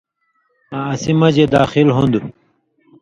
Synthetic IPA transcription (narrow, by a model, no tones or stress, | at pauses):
aːsimɐd͡ʑed̪aːxilɦund̪u